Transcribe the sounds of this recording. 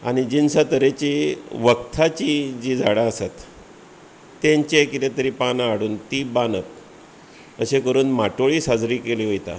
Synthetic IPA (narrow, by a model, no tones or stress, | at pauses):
a̰ɽ̃id͡ʑinsət̪əɾet͡ɕiʋəkt̪ʰat͡ɕid͡ʑiːd͡zʱaɽaəsat̪ | eɲt͡ɕekit̪et̪əɾiːpanaːɽuːnt̪iːbanət̪ | əɕekəɾuːnmaʈoɭiːsad͡zɾiːkeliːɦojt̪a̰